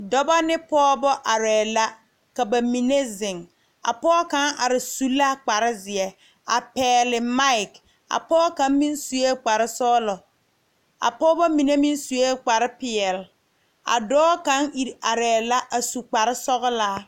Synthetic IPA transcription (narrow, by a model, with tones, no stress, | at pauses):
dɔ˦ba˦nɪ˦pɔː˦bɔ˦ʔa˨ɾɛː˨la˦ | ka˨ba˨mi˨ne˦zɪ˨ŋ | a̰˨pɔː˦ka˨˦ŋa̰˨ɾɪ˨su˦la˦k͡pa˨ɾɪ˦zɪ˨ɛ˦ | a˨pɛː˨lɪ˨ma˦ɪ˨k | a̰˨pɔː˦ka˦nmi˦nsu˨je˦k͡pa˨ɾɪ˦sɔː˦lɔ˨ | a̰˨pɔː˦bɔ˦mi˨ne˦mi˦nsu˨je˦k͡pa˨ɾɪ˦pɪ˨ɛ˨l | a̰˨dɔː˦ka˦ŋi˨ɾa˨ɾɛː˨la˦ʔa˨su˨k͡pa˨ɾɪ˦sɔ˦ɣʊ˦laː˦